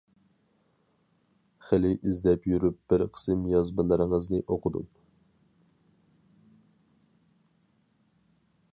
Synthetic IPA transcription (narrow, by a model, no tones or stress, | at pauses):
χɪlɪʔizlɛpjyɾyp̚b̥ɪɾqʰə̥sɨmjɑzbɨlˠɨɾɨŋəznɨʔoqʰʊd̪ṵp